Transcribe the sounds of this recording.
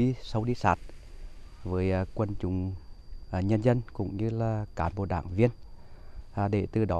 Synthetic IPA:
i˧˦sə˨˧wɗi˧sa̰ː˧˩t̚ | vəː˨˦jkwə˧nt͡ɕʊ˨˦ŋ͡m | ɲə˧nzə˧nkʊ̰˧˥ŋ͡mɲɨ˧laː˨˩kaː˨˦mɓo̰˧˨ɗa̰ː˧˩ŋvi˧ənː˨˩ | ɗe˧˩t̪ɨ˨˩ɗɔ˨˦

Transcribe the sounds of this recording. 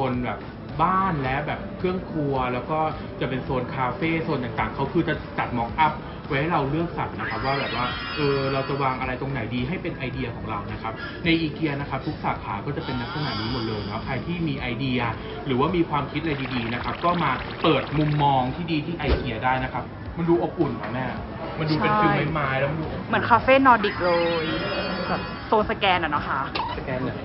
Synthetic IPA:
o˧nbɛː˨˩p̚ | baː˥˩nlɛ˦˥ʔbɛː˨˩p̚kʰɾɯ˥˩əŋkʰlu˧ɐlɛː˦˥wkɔː˥˩ | t͡ɕa˨˩pe˧nsoː˧nkʰaː˧feː˥˩so˨˧˩nt̪aː˨˩ŋt̪aː˨˩ŋkʰa˦˥wkʰɯː˧t͡ɕa˨˩t͡ɕa˨˩t̪̚mɔː˦˩k̚ʔa˦˥p̚ | wɔː˧˥ha˥˩ɾa˧wlɯ˥˩ək̚sa˨˩p̚na˦˥kʰa˦˥p̚waː˥˩bɛː˨˩p̚waː˥˩ | ʔɤː˧ɾa˧wt͡ɕa˨˩waː˧ŋʔa˧ɾa˧jt̪o˧ŋna˨˩˦jdiː˧ɦa˥˩jpe˧nʔa˧jdi˧ɐkʰɔː˩˦ŋɾa˧wna˦˥kʰa˦˥p̚ | na˧jʔiː˧ki˧ɐna˦˥kʰa˦˥p̚t̪ʰu˦˥k̚saː˨˩˦kʰaː˩˦kɔː˥˩t͡ɕa˨˩pe˧nːa˦˥k̚sʰa˧na̰˨˩niː˦˥mo˨˩t̪̚lɤː˧jnʰɔ˦˥kʰaː˧jt̪ʰiː˥˩miː˧ʔa˧jdi˧ɐ | ɾɯː˩˦waː˥˩miː˧kʰwaː˧mkʰi˦t̪̚ʔaɾa˧jdiː˧˩diː˧na˦˥kʰa˦˥p̚kɔː˥˩maː˧ | pɤː˨˩t̪̚mu˧mːɔː˧ŋt̪ʰiː˥˩diː˧t̪ʰiː˥˩ʔa˧jki˧ɐdaː˥˩jna˦˥kʰa˦˥p̚ | ma˧nduː˧ʔo˨˩k̚ːu˨˩nkʰa˨˩mɛː˥˩ | ma˧nduː˧pe˧˥kʰi˧ma˥˩maː˦˥jlɛ˦˥m˧nduː˧ʔo˨˩mɯ˨˩˦ənkʰaː˧˥feː˥˩nɔː˧di˨˩k̚ɾoː˧jbɛː˨˩p̚ | soː˧nsa˧kɛː˧nʔa˨˩na˦˥kʰa˦˥ʔsa˧kɛː˧n˧˩

